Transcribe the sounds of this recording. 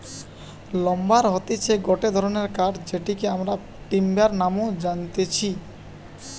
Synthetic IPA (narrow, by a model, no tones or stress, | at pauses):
lɔmbaɾɦɔt̪it͡ɕʰeɡɔʈed̪ʱɔɾoneɾkaʈd͡ʑeʈikeamɾa | ʈimbaɾnamod͡ʑant̪et͡ɕʰi